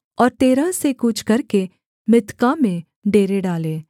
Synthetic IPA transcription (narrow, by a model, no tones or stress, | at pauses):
ɔːɾt̪eːɾasekut͡ʃʰkɐɾke | mɪt̪kamẽ | ɖeːɾeɖaːleː